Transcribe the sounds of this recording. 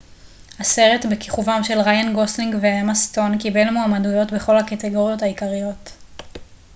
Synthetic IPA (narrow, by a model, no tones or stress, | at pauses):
hase̞ʁe̞tbekiχuvamʃe̞lʁajanɡosliŋɡveamast̪o̞nkibe̞lmoamadujo̞tbe̞χo̞lhakate̞ɡo̞ʁjo̞thaikaʁijo̞t